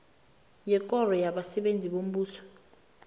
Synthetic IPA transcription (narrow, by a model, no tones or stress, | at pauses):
jɛk̬ʼɔrɔjaɓasɛɓend͡zʱiɓom̩ɓuːsɔ̥